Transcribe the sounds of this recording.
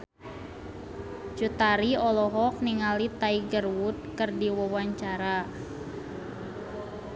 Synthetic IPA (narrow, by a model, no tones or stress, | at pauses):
t͡ʃut̪aɾiɔlɔɦɔk̚niŋalit̪aiɡərwut̪̚kərdiwɔwaɲt͡ʃaɾa